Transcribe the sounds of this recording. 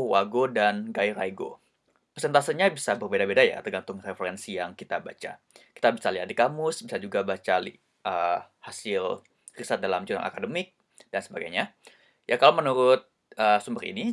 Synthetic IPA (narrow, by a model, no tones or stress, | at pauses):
waɡodanɡaiɾaiɡo̰ | pərseɛnt̪asinɲabisabərbedabedaja̰t̪ərɡant̪ʊŋrefeɾɛnsijaŋkit̪abat͡ʃa̰ | ki̥t̪abisaliɦat̪̚dikamʊsbisad͡ʒuɡabat͡ʃalḭ | ʔəːhasɪl | risat̪̚dalamd͡ʒuna̰ŋa̰kadəmɪk̚ | d̥ansəbaɡajɲa | jʔakalomənuɾʊt̪̚ | ʔəːsumbərḭni